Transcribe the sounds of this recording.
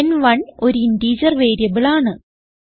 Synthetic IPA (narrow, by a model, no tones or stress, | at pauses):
nʋɐɳo̞ɾuindiːd͡ʑɐrʋe̞ːɾjɐbiɭaːɳɨ